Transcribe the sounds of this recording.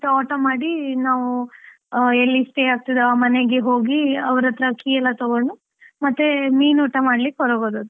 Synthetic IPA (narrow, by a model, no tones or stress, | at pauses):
t̪ɐɔːʈɐmaːɽinaːʋu | elːisʈeaːk̚t̪id̪uaːmɐneɡeɦoːɡiɐʋɐɾɐt̪ɾɐkiːɛlːɐt̪oɡoɳɖu | mɐt̪ːemiːnoːʈɐmaːɽlikːɦɔɾoːɡoːd̪ɐd̪u